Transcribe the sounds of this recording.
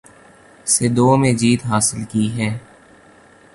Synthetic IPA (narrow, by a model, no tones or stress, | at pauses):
sed̪oːmẽd͡ʒiːt̪ɦaːsɪlkiːɦɛː